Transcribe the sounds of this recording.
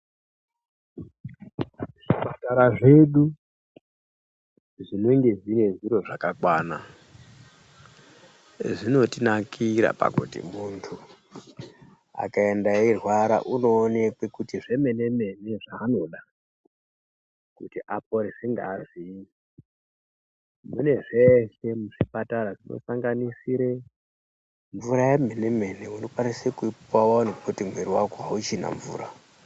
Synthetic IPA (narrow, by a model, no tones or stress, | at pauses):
ʐ̥ipataɾaʐe̞ɗu | ʐino̞ŋɡe̞zine̞ʐiɾo̞ʐakakwaːna | ʐino̞tinakiɾa̰pa̰kṵtḭmuntʰu | a̰kae̞ndairwaɾa̰ʔuno̞ːne̞kwe̞kutiʐe̞me̞ne̞me̞ne̞ʐaːno̞ɗa | kutiʔap̚oɾiʐiŋɡaːʐi | mune̞ʐe̞se̞muʐipataɾaʐino̰saŋɡanisiɾe | ɱvuɾajemeneme̞ne̞unokwanisekuipwawanupotimweɾiwakoɦaut͡ʃina̰ɱvṵːɾa